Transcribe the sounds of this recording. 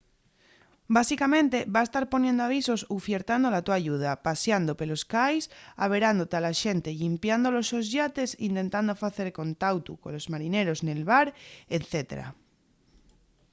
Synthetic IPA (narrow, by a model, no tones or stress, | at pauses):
basikamẽ̞nt̪e̞βaest̪aɾpo̞njend̪oaβ̞iso̞sufjeɾt̪and̪olat̪uaʝuð̞apasjand̪o̞pe̞lo̞skajsaβ̞e̞ɾand̪o̞t̪ealaʃe̞nt̪e̞ʎimpjand̪o̞lo̞so̞zʝat̪e̞sint̪e̞nt̪and̪o̞faθe̞ɾko̞nt̪awt̪uko̞̰lozmaɾine̞ɾo̞znelβaɾet̪θe̞t̪eɾa̰